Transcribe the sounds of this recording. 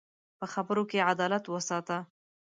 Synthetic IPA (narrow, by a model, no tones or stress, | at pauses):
pəxabəɾokead̪ɑlat̪wəsɑt̪a